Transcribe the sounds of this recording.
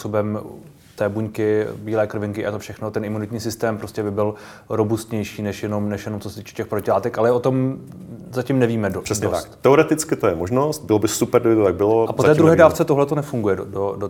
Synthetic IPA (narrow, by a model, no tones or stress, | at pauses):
puso̞bɛm | t̪ɛːbuɲkɪbiːlɛːkr̩vɪŋkɪʔajɛt̪ofʃɛxnot̪ɛnʔɪmunɪt̪ɲiːsɪst̪ɛːmpɾo̞scɛbɪbɪl | ɾo̞bust̪ɲɛjʃiːnɛʃjɛno̞mnɛʃjɛnomt͡sosɛt̪iːt͡ʃʰɛ̥cɛxpɾocɪlaːt̪ɛkalɛʔo̞t̪o̞m | zacɪmnɛviːmɛdoɾ̥ɛsɲɛt̪akt̪ɛoɾɛt̪ɪt͡skɪt̪ojɛmoʒnost̪̚bɪlobɪsupɛɾdɪbɪt̪ot̪aɡ̚bɪloapoɛːd̪ɾuɦɛːdaːft͡sɛt̪oɦlɛt̪onɛfuŋɡujɛdodo